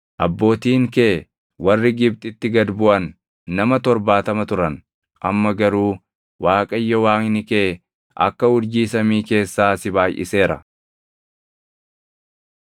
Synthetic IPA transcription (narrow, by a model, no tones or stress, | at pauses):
ʔɐbːo̞ːt̪iːŋkeː | wɐrːɪɡɪbt̪ʼɪt̪ːɪɡɐd̪bʊʔɐnː | ɐmɐt̪ɔɾbaːt̪ɐmɐt̪ʊɾɐn | ʔɐmːɐɡɐɾuː | waːkʼɐjːɔwaːŋnɪkeː | ʔɐ̰kːɐʊɾd͡ʒiːsɐmiːke̞ːsːaːsɪbaːjʔɪ̰se̞ːɾɐ̰